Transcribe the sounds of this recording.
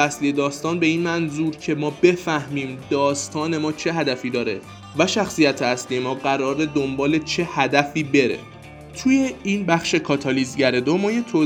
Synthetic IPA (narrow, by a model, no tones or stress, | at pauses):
æslije̞d̪ɒːst̪ɒːnbe̞iːnmænzuːɾcʰe̞mɒːbe̞fæhmiːmd̪̥ɒːst̪ʰɒːne̞mɒːt͡ʃʰe̞ɦæd̪æfiːd̪ɒːɾe̞ | væʃæxsijæt̪ʰeæsliːje̞mɒːɢæɾɒːɾed̪o̞mbɒːle̞t͡ʃʰe̞hæd̪æfiːbe̞ɾḛ | t̪ʰuːje̞iːnbæxʃe̞kʰɒːt̪ʰɒːlizɟæɾed̪omɒːjet̪ʰo